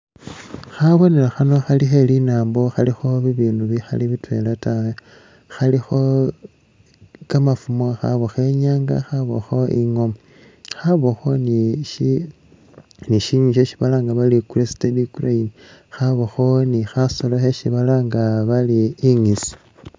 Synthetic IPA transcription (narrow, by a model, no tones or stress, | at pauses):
xaβo̞ne̞laxano̞xalixelinaːmbo̞xalixo̞βiβiːnuβixa̰liβitwe̞latawe | xalixo̞ | kamafumwaxa̰βoxe̞ɲaːŋɡa̰xaβo̰xo̞ʔiŋo̞mo | xaβo̞xo̞niʃi | niʃiɲiʃ̬eʃi̥βalaːŋɡaβalikuɾestedikraini | xaβoxo̞nixaso̞loxeʃiβalaŋɡaβaliːŋisi̥